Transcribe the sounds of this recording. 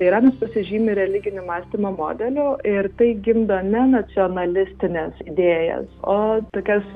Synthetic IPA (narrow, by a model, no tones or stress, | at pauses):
ɐɪɾɑːnɐspɐsʲɪʒʲiːmʲɪɾʲɛlʲɪɡʲɪnʲʊmɑːsʲt̪ʲiːmoːmo̰ːd̪ʲɛlʲʊɪɾt̪ɐɪɡʲɪmd̪oːnʲɛnɐt͡s̪ʲɪoːnɐlʲɪsʲt̪ʲɪnʲɛsɪd̪ʲeːjɛ̰soːt̪oːkʲɛs